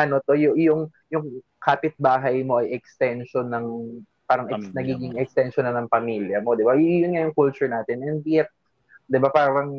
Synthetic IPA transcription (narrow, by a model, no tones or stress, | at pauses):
ʔɐno̞t̪o̞jʊjʊŋ | jʊŋ | kaːpɪt̪̚baːɦɐjmo̞ʔɐjɛkst̪ɛnʃonɐŋ | paːɾɐŋɛnɐɡiːɡɪŋɛkst̪ɛnʃonɐnɐŋpɐmiljɐmo̞d̪ɪbajjʊnŋajʊŋkult͡ʃʊɹnaːt̪ɪnɛnb̪ɪɛt̪̚ | d̪ɪbapaːɾɐŋ